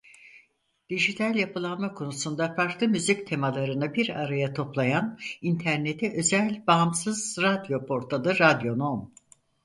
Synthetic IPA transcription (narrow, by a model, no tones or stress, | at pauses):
d̪̥iʒit̪ʰælʲjapʰɯlˠanmakʰo̞nusund̪afaɾklˠɯmyzict̪ʰe̞malˠaɾɯnɯbiɾaɾajat̪ʰo̞plˠajanint̪ʰæɾne̞t̪ʰɛʔø̞zælʲbamsɯz̥ɾad̪jo̞pʰo̞ɾt̪ʰalˠɯɾad̪jo̞nom